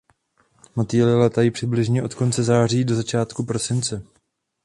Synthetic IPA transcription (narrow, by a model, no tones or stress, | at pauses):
mat̪iːlɪlɛt̪ajipr̥ɪblɪʒɲɛʔo̞t̪ko̞nt͡sɛzaːr̝iːdo̞zat͡ʃaːt̪kupɾo̞sɪnt͡sɛ